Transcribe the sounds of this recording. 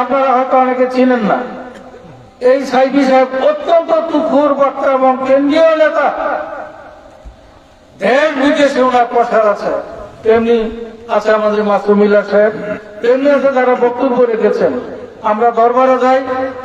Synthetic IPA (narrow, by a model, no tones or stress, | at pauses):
apnaɾaɦɔjt̪oaneket͡ɕʰilenːa̰ | ejsajbiʃaebot̪ːont̪ot̪ukʰuɾbɔk̚t̪aeboŋkend̪ɾijonet̪a | dʱenbid̪eʃeonaɾpɔʃʰaɾat͡ɕʰet̪emniat͡ɕʰeamad̪eɾmasumilaʃaebt̪emniat͡ʃʰed̪aɾabɔt̪ːuɾkoɾeɡet͡ɕʰenamɾad̪ʱɔɾbaɾad͡ʑaj